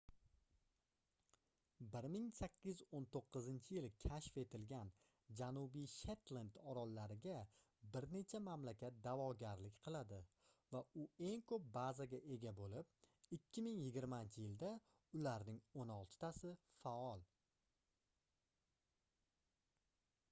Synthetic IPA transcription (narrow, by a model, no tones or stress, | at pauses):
bɪɾmɪŋsakʲːɪzont̪ʰoqʰːɨzɪnt͡ʃʰɪjɪlkʲʰaʃfe̞t̪ʰɪlɡʲan | d͡ʒanubijʃet̪land̪ɒɾɒlːaɾɪɡʲa | bɪɾne̞t͡ʃʰamamlakʲat̪̚d̪avɒɡʲaɾlɪkʲqʰɨlˠad̪ɪ | vaʊe̞ŋkʰɵp̚bazaɡʲaʔe̞ɡʲabolɪp̚ɪkʲʰːɪmɪŋjɪɡʲɪɾmant͡ʃʰɪjɪld̪a | ʊlaɾnɪŋonɒlˠt̪ʰɪ̥t̪ʰasɪ | faɒlˠ